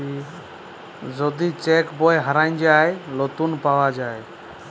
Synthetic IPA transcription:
i | d͡ʒɔd̪it͡ʃɛkbɔjɦəɾaɪnd͡ʒajlot̪unpawad͡ʒaj

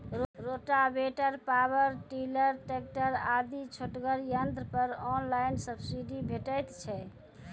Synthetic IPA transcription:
ɾoɾoʈabeʈəɾpabəɾʈiləɾʈek̚ʈəɾad̪it͡ʃʰoʈɡəɾjənd̪ɾəpəɾɔnlajnsəbsiɖibʱeʈəjt̪t͡ʃʰɛ

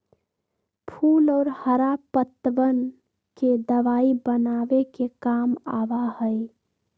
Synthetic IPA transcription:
pʰuːlɔːɾhəɾapət̪ʋən | ked̪əʋaːibənaːʋekekaːma̰ːʋahəe

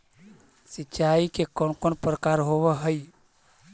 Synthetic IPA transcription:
sitːt͡ʃaikekɔnkonpɾəkaɾɦoβeɦəj

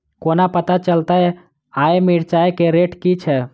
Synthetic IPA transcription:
konapət̪at͡ʃəlt̪aɛ | aemiɾt͡ʃaekeɾeʈkit͡ʃʰɛ

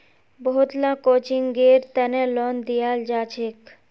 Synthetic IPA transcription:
bɔɦut̪lãkot͡ʃiŋɡeɾt̪ɛnelɔnd̪ijald͡ʒat͡ʃʰek

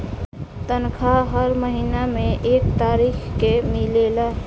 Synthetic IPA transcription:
t̪ənkʰaɦəɾməɦiːnamẽʔeːkt̪aːɾiːxkemɪleːlaː

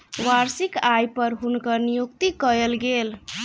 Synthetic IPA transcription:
ʋaɾsikajpəɾɦunkəɾnijukt̪ikəɾelɡel

